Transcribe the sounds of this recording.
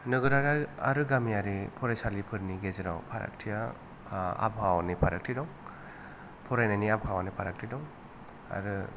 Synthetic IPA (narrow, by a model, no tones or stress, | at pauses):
nɯɡɯɾaɾaa̰ɾɯɡamijaɾipʰɔɾajsalipʰɯɾniɡeziɾa̰wpʰaɾa̰k̚tʰija | a̰bhawanipʰaɾak̚tʰidɔŋ | pʰɔɾajnaniab̚hʰawanipʰaɾak̚tʰidɔŋ | a̰ɾɯ